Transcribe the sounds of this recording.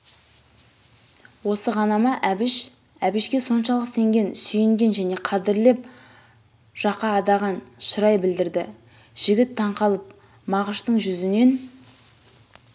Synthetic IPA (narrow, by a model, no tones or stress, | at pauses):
wo̞səʁɑnɑmɑʔæbɪʃ | æbɪʃkʲe̞so̞nʃɑlˠəqse̞ŋɡʲe̞nsʏjɪŋɡʲe̞nʒæne̞qʰɑd̪ɪɾle̞p̚ | ʒ̥ɑqɑːd̪ɑʁɑnʃʊɾɑjbɪld̪ɪɾd̪ɪ | ʒ̥ɪɡʲɪt̪ʰːɑɴqɑlˠəp̚ | mɑʁəʃt̪əɴʒʏzɪne̞n